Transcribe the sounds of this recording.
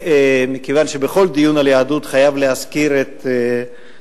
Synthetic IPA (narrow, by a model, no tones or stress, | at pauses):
mikevanʃebeχo̞ld̪ijunaljaːd̪ut̪χajavleɦaskiɾet̪